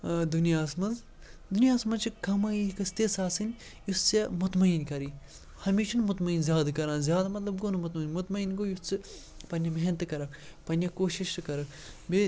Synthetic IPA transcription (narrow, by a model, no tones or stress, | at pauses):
d̪unijaːsmɐnz | d̪unijaːsmɐnt͡ʃʰikɐmaːiikɐst̪esaːsɨnʲ | just͡semʊt̪mɐinkɐɾiː | hɐmiːt͡ʃɐnmʊt̪mɐinzjaːd̪kɐɾãːnzjaːd̪ɐmɐt̪lɐb̚ɡonɐmut̪mɐinmut̪mɐinɡoːjust͡sɨ | pɐnʲjɐmeɦnt̪ɨkɐɾɐkʰpɐnʲɐkoːʃiʃkɐɾɐkʰ | be